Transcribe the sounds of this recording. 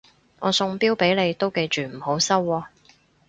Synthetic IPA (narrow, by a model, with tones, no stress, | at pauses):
ŋʔɔː˨˧sʊ˧ŋpiː˥wpe˨˥jle˨˧jt̪o˥wke˧jt͡ʃyː˨m̩˨˩ho˨˥wsɐ˥wːɔː˧